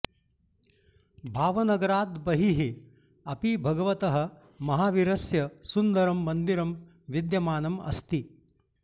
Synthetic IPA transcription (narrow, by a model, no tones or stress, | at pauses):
bʱaːʋɐnɐɡɐɾaːd̪bɐɦiɦi | ɐpibʱɐɡɐʋɐt̪ɐɦɐ̆ | mɐɦaːʋiɾɐsjɐsund̪ɐɾɐmːɐnd̪iɾɐm | ʋid̪jɐmaːnɐmɐ̰st̪i